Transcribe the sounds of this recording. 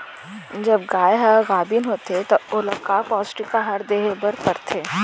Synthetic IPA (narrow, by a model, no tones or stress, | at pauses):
d͡ʒɐbɡaːjɦɐɣaːbinɦoːt̪et̪oʊləkaːpɔːsʈikaɦɐɾd̪eːɦebɐɾpɐɾt̪ʰeː